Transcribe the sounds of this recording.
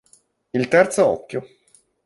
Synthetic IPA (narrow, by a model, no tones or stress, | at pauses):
ilt̪ɛrt̪soɔ̰kʲːjo